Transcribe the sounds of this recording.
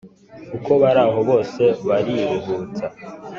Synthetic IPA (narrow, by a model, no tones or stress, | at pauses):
uko̞βaɾaːɦo̞βo̞ːse̞βaɾiɾuhuːt͡sa